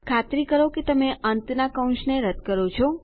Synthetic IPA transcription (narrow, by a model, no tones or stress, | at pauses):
kʰat̪ɾikəɾoket̪əmeʔənt̪nakə̃w̃ʃneɾəd̪kəɾot͡ʃʰo